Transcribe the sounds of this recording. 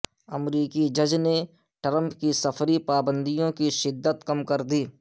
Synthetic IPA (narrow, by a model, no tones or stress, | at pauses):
ɐmɾiːkid͡ʒɐd͡ʒne | ʈɾə̃mpkisɐfʰɾipaːbə̃nd̪ijõkiʃɪd̪ːət̪kɐmkɐɾd̪iː